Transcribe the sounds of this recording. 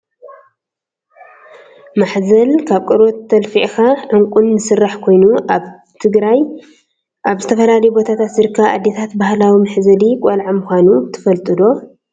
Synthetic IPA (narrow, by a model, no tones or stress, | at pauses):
maħzɐlkʰaβkʼɨɾot̪ʰːɐlfiʔxaʕɨŋkʷʼunːɨsɨrːaħkʰo̞jnu | t̪ʰɨɡɾaj | ʔaβzɨt̪ʰɐfɐlalɐjbo̞t̪ʰat̪ʰat̪zɨɾkʰːaa̰d̪ːet̪ʰat̪bahlawimɨħzɐlikʼɐlʕamuxʷanubɨt̪ʰɨ̥fɐlt̪ʼɨd̪o̞